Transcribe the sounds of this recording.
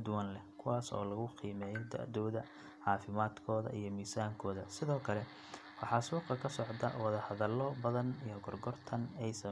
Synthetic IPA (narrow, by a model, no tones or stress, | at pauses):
d̪ʊwanlɛkʰʊwɑːsɔ̰ːlɐɣʊqiːmɛːjɔd̪a̰ʔd̪ɔːðɐ | ʕɑːfɪmaːd̪kʰɔːðɐ̰ʔijɞmiːsaːŋkʰɔːðɐsɪðɔːkʰɐlɛ | wɑħɑsuːqɐkʰɐsɔʕt̪ʰɐ̰wɑðɐhɐðɐlːɔbɐðɐnijɔɡɔrɡɔrt̪ʰɐnɛjsɐ